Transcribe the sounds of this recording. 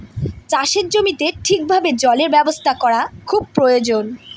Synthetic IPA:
t͡ɕaʃeɾd͡ʑomit̪eʈʰik̚bʱabed͡ʑɔleɾbɛbost̪ʰakɔɾakʰub̚pɾojod͡ʑon

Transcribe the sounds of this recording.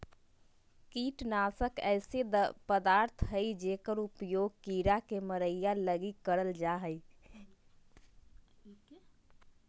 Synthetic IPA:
kiʈnasəkɛɪsed̪pəd̪aɾt̪ʰɦəjd͡ʒekəɾupjoɡ̚kiɾakeməɾəjjːaləɡikːəɾəld͡ʒaɦəj

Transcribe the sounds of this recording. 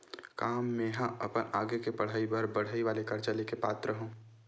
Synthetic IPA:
kaːmːẽɦãʔɐpənaːɡekepɐɽ̤aːibʱɐɾbɐɽ̤aːiʋaːlekɐɾt͡ʃəlekepa̰ːt̪ɾəɦũː

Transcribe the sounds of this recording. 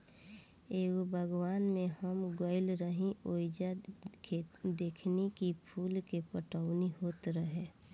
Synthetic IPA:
eːɡobʱəɡwaːnmẽhəmɡoɪlɾəɦĩoːɪd͡ʒakʰed̪eːkʰnekipʰuːlkepəʈəʊniɦoːt̪ɾəɦẽ

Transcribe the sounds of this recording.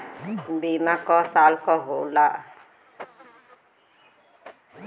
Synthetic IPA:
bimakɔsalkɔɦola

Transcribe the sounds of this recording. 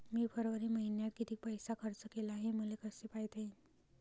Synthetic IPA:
miːpʰəɾʋəɾiːməɦinjat̪̚kit̪iːk̚pəjsakʰəɾt͡səkelaːɦeməlekəsepajt̪en

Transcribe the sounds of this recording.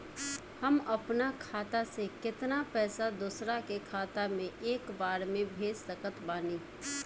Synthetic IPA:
hɐmɐpnakʰaːt̪asekɪt̪napɛːsad̪uːsɾakekʰaːt̪amẽʔeːkbaːɾmẽbʱeːssəkət̪baːniː

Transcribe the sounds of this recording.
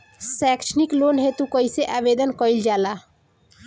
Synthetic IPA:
sɛksniklonɦet̪ukəiseʔabed̪ənkəild͡ʒaːla

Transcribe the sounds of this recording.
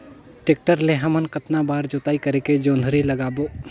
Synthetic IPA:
ʈeːk̚ʈəɾleɦəmənqɐt̪nabaːɾd͡ʒoːt̪aːikɐɾeːked͡ʒõːnd̪ʱɾilɐɡaːboː

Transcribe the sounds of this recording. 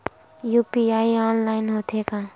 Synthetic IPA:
juːpiaːiaːnlaːɪnɦoːt̪ʰeka

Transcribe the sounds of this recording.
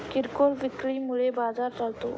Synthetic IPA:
kiɾkolʋɪkɭiːmuɭebad͡zaɾt͡salt̪o̰

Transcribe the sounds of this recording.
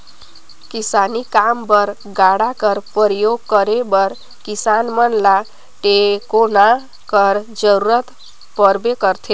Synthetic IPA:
kisanikambʌɾ | ɡaɽakəɾpəɾjoɡ̚kəɾebʌɾ | kisanmənla | ʈekona | kəɾd͡ʒəɾuɾət̪ | pəɾbekəɾt̪ʰe

